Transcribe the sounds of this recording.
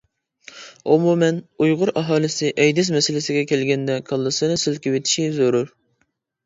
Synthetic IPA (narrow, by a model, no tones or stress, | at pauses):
omumɛnujʁʊɾʔɑɦɑːlˠɪsɪʔɛjd̪ɪs̬mɛsɪlɪsɪɡʲɛkʲʰɛlɡʲɛnd̪ɛkʰɑlˠːɨsɨnɨsɪlkʲɪwɪt̪ʰi̥ʃizoɾuɾ